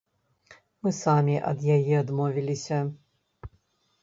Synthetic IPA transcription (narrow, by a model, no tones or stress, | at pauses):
mɨsamʲiʔɐ̰d̪jajɛad̪mɔvʲilʲisʲɐ